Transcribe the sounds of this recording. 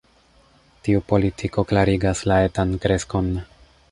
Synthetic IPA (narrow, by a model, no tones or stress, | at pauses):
tiupo̞litʰiko̞klaɾiɡaslae̞tankɾe̞sko̞n